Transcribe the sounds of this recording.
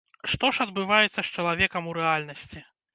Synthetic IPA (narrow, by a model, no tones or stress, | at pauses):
ʂt̪ɔʂɐd̪bɨvajɛt̪sːɐst͡ʂɐlˠavʲɛkɐmuɾɛalʲnɐsʲt͡sʲi